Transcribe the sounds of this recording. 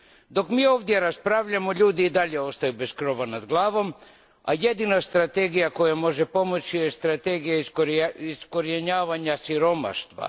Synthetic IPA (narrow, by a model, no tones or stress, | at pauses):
d̪o̞kmiːo̞ːʋd̪je̞ɾaspɾaʋʎamo̞ʎuːd̪iːd̪aʎeo̞st̪ajube̞skɾo̞ʋanad̪ɡlˠaːʋo̞m | a̰je̞d̪inast̪ɾat̪e̞ɡijako̞jamo̞ʒe̞po̞mo̞t͡ʃijest̪ɾat̪e̞ɡijaiisko̞ɾjeɲaːʋaɲasiɾo̞ma̰ʃt̪ʋa̰